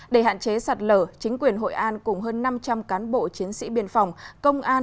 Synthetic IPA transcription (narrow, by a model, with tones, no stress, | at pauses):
ɗe˧˩ɦa̰ː˧˨nt͡ɕe˨˦sa˨˩t̚ləː˧˩t͡ɕï˨˦ŋ̟kwi˨˩ənɦo̰˧˨jʔaː˧nkʊ˨˩ŋ͡mɦəː˧nːa˧mt͡ɕa˧mkaː˨˦nɓo̰˧˨t͡ɕi˨˦ənsḭ˧˥ɓḭ˧˩ənfɔ˨˩wŋ͡mkə˧wŋ͡mʔaː˧n